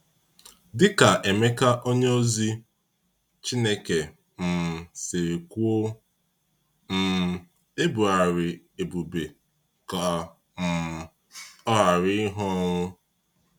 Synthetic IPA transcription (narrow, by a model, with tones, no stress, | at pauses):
dɪ˦ka˨ʔe˨me˦ka˦ʔo˦ɲe˦o˦zi˦ | t͡ʃi˦ne˦ke˨ | m̩˨se˨e˨ku˦o˦ | m̩˨ | e˦bu˨a˨ɾɪ˨ | e˨bu˨be˨ | ka˨ | m̩˨ | ɔ˦ɦa˨ɾɪ˦ɦɔ˦ŋʷʊ˦